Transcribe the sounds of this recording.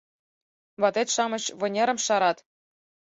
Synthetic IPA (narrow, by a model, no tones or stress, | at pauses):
βɑt̪et̪ʃɑmɤ̆ɕβɤ̆nʲeɾə̆mʃɑɾɑt̪